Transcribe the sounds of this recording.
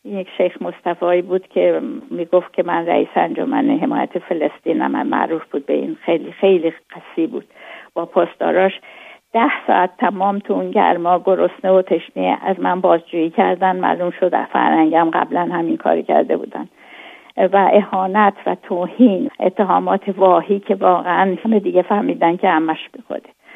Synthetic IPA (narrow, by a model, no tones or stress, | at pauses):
injecʃejxmo̞st̪æfɒːiːbuːd̪̥cʲʰe̞miːɡoft̪̚cʰe̞mænɾæ̰ʔḭːseænd͡ʒo̞̰mæ̰neɦe̞mɒ̰ːjæ̰t̪ʰefe̞lest̪iːnæ̰mæ̰mæ̰ʔɾuːfb̥uːd̪̚beḭːnxelixe̞jliɢ̥æsiːbuːd̪̥b̥ɒːpʰɒːst̪ɒ̰ːɾɒːʃd̪̥æhsɒ̰ʔæt̪ʰːæmɒːmt̪ʰuunɟæ̰ɾmɒːɡoɾo̞sneot̪ʰeʃneæzmænbɒːzd͡ʒuːiːcʰæɾd̪ænd̪mæ̰lumʃod̪̰fæ̰ɾhæŋɟæmɢæ̰blænhæminkʰɒ̰ːɾicʰæ̰ɾd̪ḛbṵːd̪æ̰n | væʔehɒːnæt̪ʰvæt̪ʰoːhiːnʔet̪ʰːeɦɒːmɒːt̪ʰevɒːhiːcʰe̞vɒːɣeænmed̪iːɟefæhmiːd̪æn̚cʰehæmːæʃb̥exo̰d̪e